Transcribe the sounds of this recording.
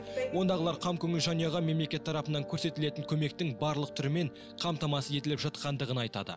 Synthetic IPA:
wo̞nd̪ɑʁəlˠɑɾqʰɑmkʲʰɵŋɪʒɑnijɑʁɑme̞mle̞kʲe̞t̪ʰːɑɾɑpənɑŋkʲʰɵɾse̞t̪ɪle̞t̪ɪŋkʲʰɵme̞k̚t̪ɪŋbɑɾlˠəqt̪ʰʏɾme̞ɴ | qʰɑmt̪ɑmɑsəe̞t̪ɪlɪpʒɑt̪̚qɑnd̪əʁənɑjt̪ɑ̰d̪ə̰

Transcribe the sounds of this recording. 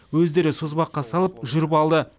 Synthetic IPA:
wɵzd̪e̞ɾɪsozbɑqːɑsɑlˠəpʒʏɾɪpɑlˠd̪ə

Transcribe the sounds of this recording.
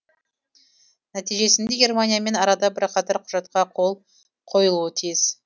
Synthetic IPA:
næt̪ijʒe̞sɪnd̪e̞ɡʲe̞rmanʲijame̞nɑɾɑd̪ɑbɪɾqʰɑt̪ɪɾqʰʊʒɑt̪̚qɑqʰo̞lˠ | qʰo̞jəlˠuət̪ʰijɪz̥

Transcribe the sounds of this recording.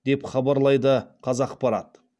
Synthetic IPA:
d̪̥e̞pχɑbɑɾlˠɑjd̪əqʰɑzɑqpɑɾɑt̪

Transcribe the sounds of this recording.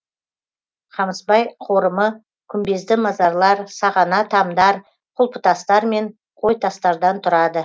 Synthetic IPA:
χʰɑməsbɑjqʰo̞ɾəmə | kʲʰʏmbe̞zd̪ɪmɑzɑɾlˠɑɾsɑʁɑnɑt̪ʰɑmd̪ɑɾ | qʰʊlˠpə̥t̪ʰɑst̪ɑɾme̞ɴ | qʰo̞jt̪ʰɑst̪ɑɾd̪ɑnt̪ʰʊɾɑd̪ə

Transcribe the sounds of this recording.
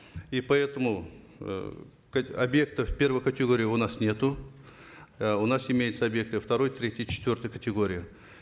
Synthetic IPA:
ipɐɛt̪əmʊ̰ | kɐbje̞k̚t̪əfpʲe̞rvəjkətʲɪɡo̞ɾʲɪjʊnasnʲe̞t̪ʊ | ʊnasɪmʲejɪt̪səɐbʲje̞k̚t̪ɨft̪ɐɾo̞jt̪ɾʲetʲɪjət͡ɕɪ̥t̪vʲo̞rt̪əjkətʲɪɡo̞ɾʲɪjə

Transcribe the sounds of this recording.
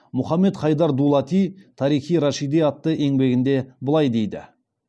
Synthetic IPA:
mʊχɑmːe̞t̪χɑjd̪ɑɾd̪ulˠɑt̪ijt̪ʰɑɾijχijɾɑʃijd̪eɑt̪ːəʔe̞ŋbe̞ɡʲɪnd̪e̞bəlˠɑjd̪e̞jd̪ɪ̰

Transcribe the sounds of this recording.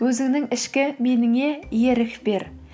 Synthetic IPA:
ɵzɪŋnɪŋɪʃkʲɪmenɪŋejeɾɪkʲbeɾ

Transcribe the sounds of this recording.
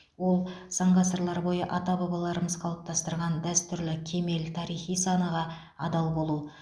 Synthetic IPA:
wo̞lˠsɑɴʁɑsəɾlˠɑɾbo̞jəʔɑt̪ɑbɑbɑlˠɑɾəməzqʰɑlˠəp̚t̪ʰɑst̪əɾʁɑnd̪æst̪ʏɾlɪkʲʰe̞me̞lt̪ʰɑɾijχijsɑnəʁɑ | ɑd̪ɑlˠbo̞lˠu

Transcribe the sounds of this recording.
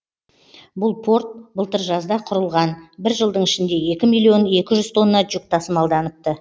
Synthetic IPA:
bʊlˠpʰo̞ɾt̪̚bəlˠt̪əɾʒɑzd̪ɑqʰʊɾəlˠʁɑnbɪɾʒəlˠd̪əɴɪʃɪnd̪e̞e̞kʲɪmijlʲˠːio̞ne̞kʲɪʒʏz̥t̪ʰo̞nːɑd͡ʒuk̚t̪ʰɑsəmɑlˠd̪ɑnəp̚t̪ːə

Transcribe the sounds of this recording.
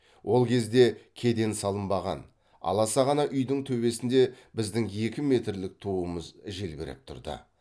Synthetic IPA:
wʔo̞lˠkʲʰe̞zd̪e̞kʲʰe̞d̪e̞nsɑlˠəmbɑʁɑ̰n | ɑ̰lˠɑsɑʁɑnɑʔʏjd̪ɪŋt̪ʰɵbe̞sɪnd̪e̞bɪzd̪ɪŋje̞kʲɪme̞t̪ɾlɪk̚t̪ʰuəməzʒe̞lbʲɪɾɪ̰p̚t̪ʰʊ̰ɾd̪ə̰

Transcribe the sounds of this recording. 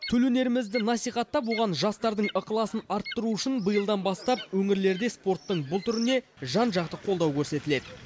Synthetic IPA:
t̪ʰɵlɵne̞ɾɪmɪzd̪ɪnɑsijχɑt̪ːɑpwo̞ʁɑnʒɑst̪ɑɾd̪əɴəqəlˠɑsənɑɾt̪ːəɾuʊʃɪnbəjəlˠd̪ɑnbɑst̪ɑp̚wɵŋɪɾle̞ɾd̪e̞spo̞rt̪ːəɴbʊlˠt̪ʰʏɾɪne̞ʒɑnʒɑqt̪əqʰo̞lˠd̪ɑwkʲʰɵɾse̞t̪ɪle̞d̪ɪ

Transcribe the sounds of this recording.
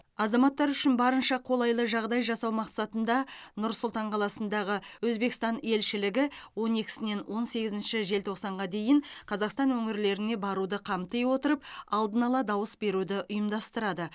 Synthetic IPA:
ɑzɑmɑt̪ːɑɾʏʃɪnbɑɾənʃɑqʰo̞lˠɑjlˠəʒɑʁd̪ɑjʒɑsɑwmɑqsɑt̪ənd̪ɑnʊɾsʊlˠt̪ɑɴqʰɑlˠɑsənd̪ɑʁəwɵzbe̞kɪst̪ɑne̞lʃɪlɪɡʲɪwo̞ne̞kʲɪ̥sɪne̞nwʔo̞nse̞ɡʲɪzɪnʃɪʒe̞lt̪ʰo̞qsɑɴʁɑd̪e̞jɪɴqʰɑzɑqst̪ɑnwɵŋɪɾle̞ɾɪne̞bɑɾud̪əqʰɑmt̪əjwo̞t̪əɾəp̚ɑlˠd̪ənɑlˠɑd̪ɑwəsbe̞ɾud̪ɪʔʊjəmd̪ɑst̪əɾɑd̪ə

